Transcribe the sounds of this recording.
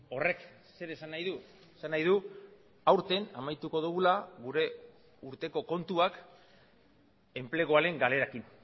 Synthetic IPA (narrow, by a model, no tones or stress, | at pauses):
o̞re̞k | se̞ɾe̞sanːajðu | esanːajðu | awɾt̪e̞namajt̪uko̞ðuɣulaɣuɾe̞ | uɾt̪e̞ko̞ko̞nt̪uak | e̞mple̞ɣ̞o̞aɾe̞ŋɡale̞ɾakin